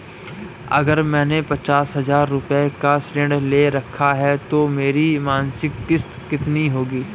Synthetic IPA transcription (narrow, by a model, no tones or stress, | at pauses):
ɐ̰ɡəɾmɛ̃ːnepɐt͡ʃaːsɦɐzaːɾːʊpekasʈẽɳɖleɾɐkʰːaɦɛt̪omeːɾimãːnsɪkːɪst̪kɪt̪niɦoːɡiː